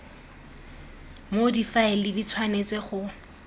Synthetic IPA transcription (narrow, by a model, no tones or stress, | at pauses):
modifaɪlɪdit͡sʰwanet͡sɪχʊ